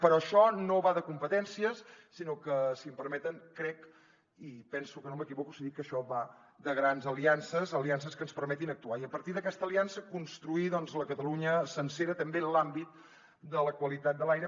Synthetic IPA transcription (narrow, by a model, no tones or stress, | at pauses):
pəɾɔəʃɔnoβaðəkumpət̪ɛnsiəsː | inokəsiəmpəɾmɛt̪əŋkɾɛk | ipɛnsukənoməkiβɔkusiðikːəʃɔβa | d̪əɣɾanzəliansəzəlians̬əskənspəɾmɛt̪inək̚t̪uaiəpəɾt̪iðəkɛst̪əliansəkunst̪ɾuiðɔnzləkət̪əluɲəsənseɾət̪əmbelambit̪ | d̪ələkwəlit̪at̪̚d̪əlajɾə